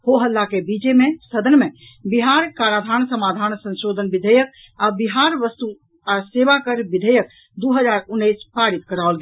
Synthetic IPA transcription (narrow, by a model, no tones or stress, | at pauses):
hoɦəlːakebit͡ʃemesəd̪ənmebiɦaɾkaɾad̪ʱansəmad̪ʱansə̃nʃod̪ʱənbid̪ʱəjək | abiɦaɾʋəst̪u | aseʋakəɾbid̪ʱəjək̚ | d̪uɦəd͡ʒaɾunːəjspaɾit̪kəɾaolɡe